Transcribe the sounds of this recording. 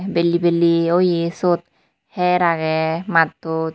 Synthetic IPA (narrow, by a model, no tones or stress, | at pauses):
belibeliojisut̪̚ | hɛɾaɡɛmat̪ːu